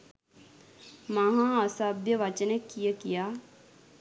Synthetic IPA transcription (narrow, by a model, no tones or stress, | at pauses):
mɐɦãːɐsaːbjəʋat͡ʃənekːijəkijaː